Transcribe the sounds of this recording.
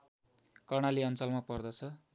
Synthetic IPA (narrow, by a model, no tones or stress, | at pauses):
kʌrɳ̃aliʌnt͡sʌlmapʌrd̪ʌt͡sʰʌ